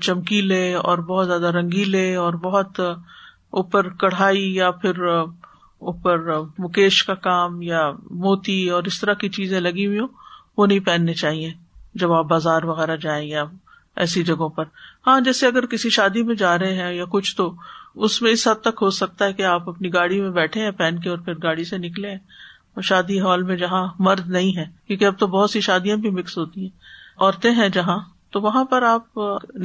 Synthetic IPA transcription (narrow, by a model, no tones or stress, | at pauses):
t͡ʃɐmkileːɔ̰ːɾbɔɦːt̪zjaːd̪aɾɐ̃ŋɡileːɔːɾbɔɦʊt̪ | uːpəɾkɐɽ̤aːijapʰɪɾ | ʊːpəɾmʊkeːʃkakaːmjamoːt̪iɔːɾɪst̪ɐɾakit͡ʃiːzẽlɐɡiɦĩõːʋonɐɦĩpɛːnːet͡ʃaːɦied͡ʒɐbaːp̚baːzaːɾʋɐɣɛːɾad͡ʒaːẽja | ɛ̰ːsid͡ʒɐɡõpɐɾhãːd͡ʒɛːseɐɡəɾkɪsiʃaːd̪imẽd͡ʒaːɾɐɦeɦɛ̃jakʊt͡ʃʰt̪oʊsmẽɪsɦɐd̪̚t̪ːɐkɦosɐk̚t̪aɦɛkeaːpɐpniɡaːɽimẽbɛːʈʰẽɦɛ̃pɛːnkeɔːɾpʰɪɾɡaːɽisenɪklẽɦɛ̃ | ɔːɾʃaːd̪iɦɔːlmẽd͡ʒɐɦãmɐɾd̪nɐɦĩɦɛ̃ːkjõːkiɐb̚t̪obɔːt̪siʃaːd̪ijãbʱimɪksɦoːt̪iɦɛ̃ːɔːɾt̪ẽɦɛ̃d͡ʒɐɦã | t̪oʋɐɦãpɐɾaːp̚